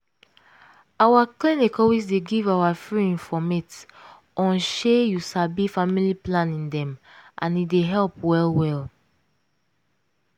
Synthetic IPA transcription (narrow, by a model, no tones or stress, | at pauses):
awaklinikɔwisdeɡivawafɹiĩnfɔmet | ɔ̃nʃejusabifamiliplãnĩndɛ̃mʔã̰nideɦɛlpwɛlwɛl